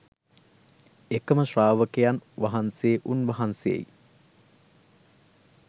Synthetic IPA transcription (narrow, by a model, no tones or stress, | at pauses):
ekəməʃraːʋəkejanʋaɦanseːʔunʋɐɦansejḛj